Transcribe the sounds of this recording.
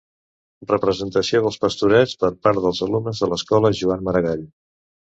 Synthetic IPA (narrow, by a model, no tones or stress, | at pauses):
rəpɾəzənt̪əsioðəlˠspəst̪uɾɛt͡spəɾpaɾt̪ðəlˠzəlumnəzðələskɔləʒuanməɾəɣaʎ